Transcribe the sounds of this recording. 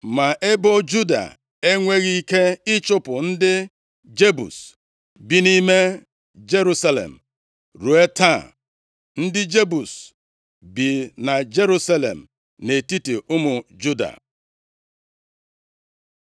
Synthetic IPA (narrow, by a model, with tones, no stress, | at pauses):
ma˨ʔe˦bɔ˦d͡ʒu˦da̰˨ | e˦ŋʷe˦ɣi˦i˦ke˦ɪ˦t͡ʃʊ˦pʊ˨n̩˦dɪ˦ | d͡ʒe˦bṵ˨s | bi˦ni˦me˦ | d͡ʒe˦ɾu˦sa˦lḛ˨m̩˨ | ɾu˨e˦ta˦˨ | n̩˦dɪ˦d͡ʒe˦bu˨s | bi˨na˨d͡ʒe˦ɾu˦sa˦lḛ˨m̩˨ | ne˨ti˦ti˨ʊ˦mʊ˨d͡ʒu˦da̰˨